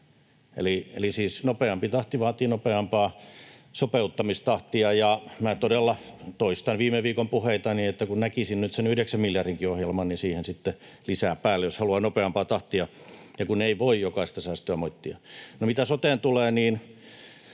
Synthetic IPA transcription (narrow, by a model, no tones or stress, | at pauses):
ḛliḛlisiːsnopeɑmpit̪ɑht̪iʋɑːt̪iːnopeɑmpɑːsopeut̪ːɑmist̪ɑht̪iɑjɑmæːt̪odelːɑt̪oist̪ɑnʋiːmeʋiːkompuheit̪ɑniet̪ːækunnækisinnyt̪senyhdeksæmmiljɑrriŋkiohjelmɑnnisiːhensit̪ːe | lisæːpæːlːejoshɑluɑnopeɑmpɑːt̪ɑht̪iɑ | jɑkuneiʋoijjokɑist̪ɑsæːst̪øæmoit̪ːiɑ̰nomit̪æsot̪eːnt̪uleːniːn